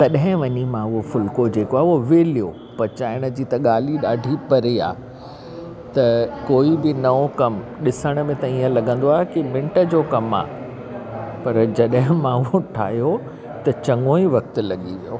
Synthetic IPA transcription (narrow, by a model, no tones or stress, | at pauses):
t̪ɐɗɦɪ̃ʋɐɲimãʊɦofʊlkod͡ʑeːkoaːɦoʋeːlijo | pɐt͡ɕaːɪɽ̃ə̆d͡ʑiːt̪ɐɠaːl̤iɗaːɖʱipɐɾia̰ː | t̪ɐkoːibɪnɐokɐmɗɪsəɽ̃mẽt̪ɐiːə̃lɐɡə̃nd̪oaːɦekɪmɪ̃ɳʈə̆d͡ʑoːkɐma̰ː | pɐɾd͡ʑɐɗɦɪ̃mãʊɦoʈʰa̰ːɦijo | t̪ɐt͡ɕɐ̃ŋɡõːiʋɐk̚t̪ʊ̆lɐɠiʋijo̰ː